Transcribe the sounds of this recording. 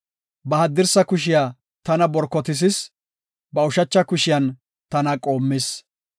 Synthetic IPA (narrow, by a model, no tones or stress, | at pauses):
bɐhɐd̪ːɪɾsɐkʊʃ̬ɪjaː | t̪ɐnɐbɔɾkːɔt̪ɪs̬ɪs | bɐʊʃɐt͡ʃːɐkʊʃɪjɐn | t̪ɐnɐkʼo̞ːmːɪs